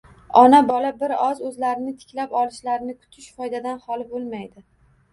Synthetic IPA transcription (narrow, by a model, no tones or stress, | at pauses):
ɒnabɒlabɪɾɒzɵzlaɾɪnɪt̪ʰɪ̥kʲlapɒlˠɪʃlaɾɪnɪkʰʊ̥t̪ʰɪʃfɒjd̪ad̪anhɒlɪbolˠmajd̪ɪ